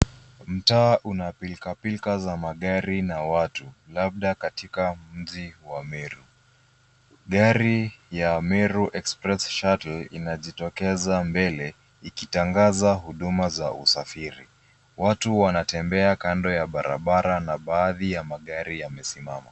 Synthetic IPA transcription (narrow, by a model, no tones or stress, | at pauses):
m̩taːʔunapilkapilkazamaɠaɾinawatulab̚ɗakatikam̩ʄiwamɛɾu | ɠaɾijamɛɾuʔɛkspɾɛsʃatl̩inaʄitɔkɛzambɛlɛ | ikitaŋɡazaɦuɗumaza̰ṵsafiɾḭ | watuwanatɛmbɛakandɔjaɓaɾʔa̰ɓaɾanaɓaːðijamaɠaɾijamɛsimama